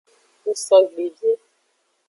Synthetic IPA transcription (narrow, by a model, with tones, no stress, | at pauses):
u˦sɔ˦ɡ͡be˨d͡ʒe˦